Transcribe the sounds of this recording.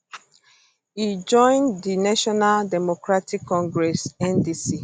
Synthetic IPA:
id͡ʒɔ̃ɪ̃ndinaʃɔnaldɛmokɾatikʰːɔ̃ŋɡɾɛsɛndisi

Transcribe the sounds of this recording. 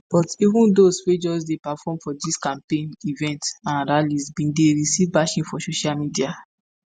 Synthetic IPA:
b̥ɔtivũndoswed͡ʒɔs̬depafɔ̃mfɔdiskãmpẽnivɛ̃ntãnɹalisbĩdeɹisivbaʃĩnfɔsoʃalmidia

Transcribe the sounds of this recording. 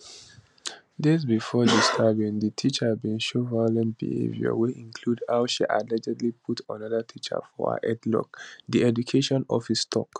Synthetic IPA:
dezbifɔdiskʰabĩŋdətʰit͡ʃəbĩnʃovaɪɔlɛ̃nt̚b̥ḭhḛvjə̰weĩŋkʰludhaʊʃḭʔa̰dlɛd͡ʒɛdlipʰutʰɔ̃naðətʰit͡ʃə̰fɔ̰ə̰ʔɛdlɔ̰k̚diɛd͡ʒukʰeʃɔ̃nɔ̰fistʰɔk

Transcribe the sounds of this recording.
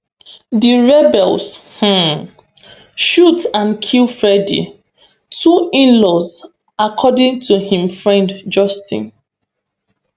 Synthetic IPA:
diɹɛbɛlsh̩ | ʃutãnkʰilfɹɛdḭ | tʰuĩnlɔz | akʰɔdɪ̃ŋtʰuhĩmfɹɛ̃ndd͡ʒɔstḭ̃n

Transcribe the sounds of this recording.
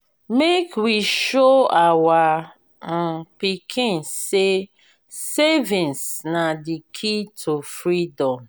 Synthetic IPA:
mekwiʃoawa | m̩pikʰĩnse | sevĩnsnadikʰitʰofɾidɔ̃m

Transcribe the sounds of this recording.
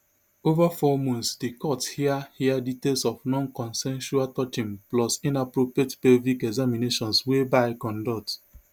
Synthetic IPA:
ovafɔmɔ̃ntsdekɔthiahiaditelsɔfnɔ̃nkɔ̃nsɛ̃nʃualtɔt͡ʃĩmplɔsĩnapɹopɹietpevikɛɡzamineʃɔ̃nswebaɪkɔ̃ndɔt

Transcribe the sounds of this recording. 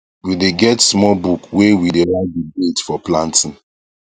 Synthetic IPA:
wideɡɛtsmɔbukwewideɹãndibetfɔplãntĩn

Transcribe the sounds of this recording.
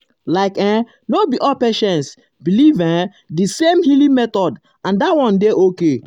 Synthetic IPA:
laɪkɛ̃ | nobiʔɔpeʃɛ̃ns | bilivɛ̃ | disẽmhilĩmɛt̪ɔd | ãndatwɔ̃ndeʔoke

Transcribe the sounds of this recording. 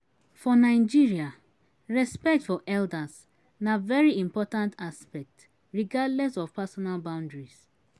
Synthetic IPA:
fɔnaɪd͡ʒiɹia | ɹɛspɛk̚tfɔʔɛldas | navɛɹiĩmpɔtãntʰaspɛk̚t | ɹiɡadlɛsɔvpasɔnalbãʊ̃ndɹis

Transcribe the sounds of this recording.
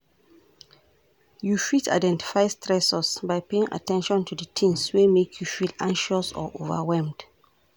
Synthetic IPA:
jufitʰa̰ɪdɛ̃nti̥faɪstʰɹɛsɔsbaɪpeɪ̃ŋʔa̰tɛ̃nʃɔ̃ntʰudətʰĩnswemekʰjufidãŋʃɔsɔ̰ʔo̰və̰wɛlmd̥

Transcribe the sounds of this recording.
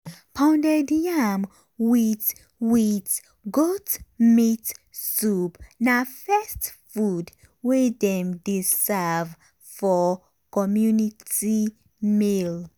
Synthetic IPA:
pʰãndɛdam | wit | wit | ɡotmitsupnafɛstfud | wedɛ̃mdesɛv | fɔ | kɔmjuniti | mil

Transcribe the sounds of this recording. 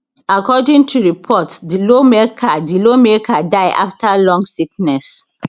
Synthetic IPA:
akɔdĩŋtʰuɹipʰɔtdilomekʰadilomekʰadaɪʔa̰ftʰalɔ̃ŋɡsiknɛs

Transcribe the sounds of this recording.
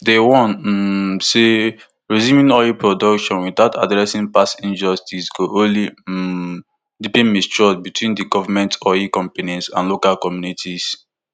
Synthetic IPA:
dewɔ̃n | se | ɹizjũmĩŋɔjipɹɔdɔkʃɔ̃nwitaʊta̰dɹɛsĩnpasĩnd͡ʒɔstʰisɡoʔõli | dipĩnmist͡ʃɔsbitʰwĩndiɡɔvamɛ̃ntʰɔikɔ̃mpanĩsãnlokalkɔmjunitʰis

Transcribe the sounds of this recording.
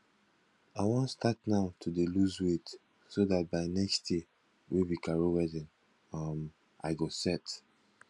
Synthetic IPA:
aɪwɔ̃nstatnaʊtʰudeluzwet | soðat̚baɪnɛkstd̥e | wʔibikʰaɹowɛdɪ̃n | am | a̰ɪɡosɛt

